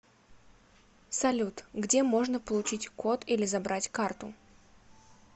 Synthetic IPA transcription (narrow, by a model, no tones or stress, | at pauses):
sɐlʲut̪ɡdʲemo̞ʐnəpəlˠʊt͡ɕitʲko̞t̪ilʲɪzɐbɾatʲkart̪ʊ